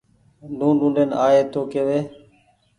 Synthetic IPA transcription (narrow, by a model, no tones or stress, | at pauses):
ɖũːɖũːnɖeːnaːeːt̪oːkeːʋeː